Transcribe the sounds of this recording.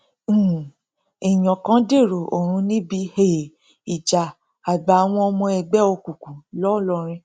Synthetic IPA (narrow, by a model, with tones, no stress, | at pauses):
i˨j̃ɔ̃˨kã˦de˦˨ɾo˨o˨ɾ̃ũ˧˦nĩ˦bi˦he˨ | i˨d͡ʒa˨ | a˨ɡ͡ba˨w̃ɔ̃˧ɔ˧mɔ̃˧ɛ˧ɡ͡bɛ˦o˧ku˨kũ˨lɔ˦˨lɔ˦˨ɾ̃ĩ˧